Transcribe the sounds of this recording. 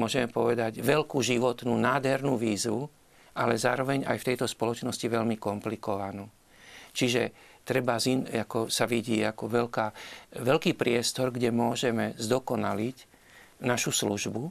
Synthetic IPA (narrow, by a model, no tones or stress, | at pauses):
mʊɔʒɛmɛpɔʋɛd̪aɟʋɛlkuːʒiʋɔt̪nunaːd̪ɦɛɾnuʋiːzu | ʔalɛzaːɾɔʋɛɲa̰jft̪ɛjt̪ɔspɔlɔt͡ʃnɔsciʋɛʎmikɔmplikɔʋanuː | t͡ʃiʒɛt̪ɾɛbazinakɔsaʋiɟiːakɔʋɛlkaːʋɛlkiːpɾɪɛst̪ɔɾɡɟɛmʊɔʒɛmɛzd̪ɔkɔnalic | naʃusluʒbu